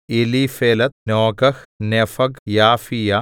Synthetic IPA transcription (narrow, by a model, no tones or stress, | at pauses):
iliːfeːlɐt̪̚nɔːɡɐxnefɐɡjaːfija